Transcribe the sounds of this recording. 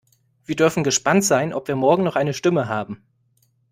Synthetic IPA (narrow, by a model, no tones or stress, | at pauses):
v̥iːɐdʏɐfn̩ɡəʃpantz̥aɪnʔɔpv̥iːɐmɔɐɡŋ̩nɔχʔaɪnəʃtɪməɦaːbm̩